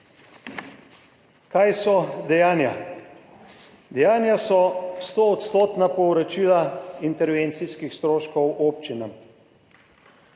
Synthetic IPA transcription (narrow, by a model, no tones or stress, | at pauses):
kajsɔd̪ɛjaːnja | d̪ɛjaːnjasɔst̪oːt̪st̪oːt̪napɔwɾot͡ʃilaint̪ɛɾʋeːnt̪siskixst̪ɾoːʃkɔwoːp̚t͡ʃinam